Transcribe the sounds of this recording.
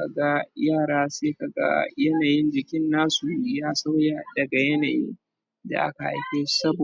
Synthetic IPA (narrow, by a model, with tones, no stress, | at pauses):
ka˨ɡa˦jaː˦˨ɽaː˦seː˦ka˨ɡa̰˦jɐ˦naː˨jɪ˦nd͡ʒɪ˨kʲɪ˦nːaː˦su˨˦jaː˦sa˦wja˨dɐ˨ɡa˨jɐ˦na̰ː˨jɪ̰˦n | da̰˨ʔa̰˦ka˨ʔa̰˨jkʲeː˦sɐ˦bo˨